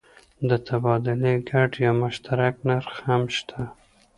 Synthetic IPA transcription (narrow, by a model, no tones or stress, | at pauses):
d̪ət̪ʰabɑd̪ʊleɡaɖjɑmʊʃt̪ʰaɾaknaɾxamʃt̪ʰa